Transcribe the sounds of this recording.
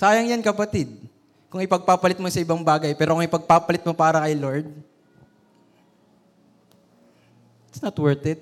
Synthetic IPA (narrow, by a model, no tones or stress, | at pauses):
saːjɐŋjankɐpɐt̪ɪd̪̚ | kʊŋɪpɐɡ̚paːpɐlɪt̪̚mosɐɪbɐŋbaːɡɐjpɛːɾokʊŋɪpɐɡ̚paːpɐlɪt̪̚mo̞paːɾɐŋkɐjloɹd̪̚ | ɪt̪snɐt̪wɛɹt̪ɛd̪̚